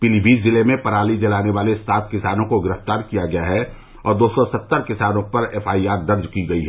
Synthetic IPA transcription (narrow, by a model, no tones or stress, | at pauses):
pilibiːszɪlemẽpɐɾaːlid͡ʒɐlaːneʋaːlest̪aːt̪̚ʰkɪsaːnõkoɡɪɾəft̪aːɾkijaɡɐjaɦɛ | ɔːɾd̪oːsɔsɐt̪ːəɾkɪsaːnõpɐɾɛːfʰaːiaːɾd̪ɐɾd͡ʒkiɡɐiɦɛ